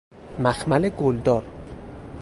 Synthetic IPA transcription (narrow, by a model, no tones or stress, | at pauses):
mæxmæleɡold̪ɒːɾ